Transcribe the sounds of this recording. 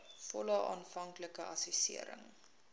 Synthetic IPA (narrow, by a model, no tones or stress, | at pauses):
fɔləʔɑːnfɐŋkləkəʔɐsisḭəɾə̰ŋ